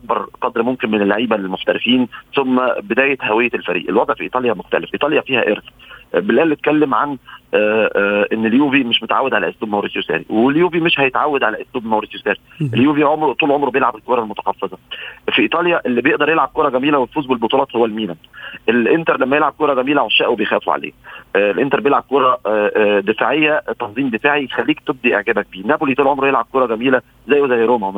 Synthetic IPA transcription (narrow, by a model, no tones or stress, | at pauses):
ʔɑk̚bɑɾˤqɑd̪ɾmomkenmenelːaʕiːbælmoħt̪æɾefiːnsomːæbed̪æːjet̪hæwejːælfæɾḭːʔḛlwɑd̪ˤʕfiʔiːt̪ˤɑːljæmoxt̪æ̰lefʔiːt̪ˤɑːljæfiːhæ̰ʔeɾsbelʔæːlːet̪̚kælːemʕa̰n | ʔenːeljuːvimeʃmot̪ʕawːæd̪ʕalæʔosluːbmæwɾesjosæ̰ːɾḭweljuːvimeʃhæjet̪ʕawːæd̪ʕalæʔosluːbmæwɾesjosæːɾiʔeljuːviʕomɾt̪ˤuːlʕomɾbejelʕabelkoɾˤɑlmot̪æ̥xɑfːezˤɑfiʔiːt̪ˤɑːljɑʔelːibejeʔd̪ɑɾˤjelʕab̚koːɾˤɑɡæmiːlæwelfuːzbelbot̪ˤulɑːt̪howːælmiːlænʔelʔent̪ɑɾˤlæmːæjelʕab̚koːɾˤɑɡæmiːlæwoʃːæːʔwebejxæːfṵʕa̰lḛːelʔent̪ɑɾˤbejelʕab̚koːɾˤɑd̪efaːʕejːæt̪ɑnzˤiːmd̪efaːʕixælːiːkt̪eb̚d̪iʔḛʕɡæːbæk̚biːnæbolit̪uːlʕomɾjelʕab̚koːɾˤɑɡæmiːlæ | zæjːezæjːɾoːmæ